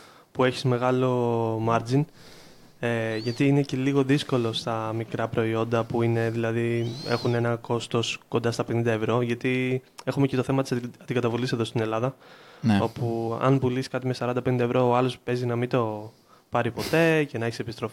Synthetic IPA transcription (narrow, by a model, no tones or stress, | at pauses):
pue̞çi̥zme̞ɣɐlo̞mɐɾd͡zin | eʝɐt̪iine̞ce̞liɣo̞ðisko̞lo̞st̪ɐmikɾɐpɾo̞io̞nd̪ɐpuine̞ðilɐðie̞̰xune̞nɐko̞st̪o̞sko̞nd̪ɐst̪ɐpe̞nind̪ɐevɾo̞ʝɐt̪ie̞xumece̞t̪o̞θe̞mɐt̪isɐd̪iɡɐt̪ɐvulise̞ðo̞st̪ine̞lɐðɐno̞puɐ̰nbuliskɐt̪imesɐɾɐnd̪ɐpe̞nind̪ɐevɾo̞oɐlo̞spe̞zinɐmit̪o̞ | pɐɾipo̞t̪e̞ce̞nɐeçisepist̪ɾo̞fi